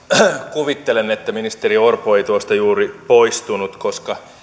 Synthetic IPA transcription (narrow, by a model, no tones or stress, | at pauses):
kuʋit̪ːelenet̪ːæminist̪eriorpoeijt̪uost̪ɑjuːripoist̪unut̪koskɑ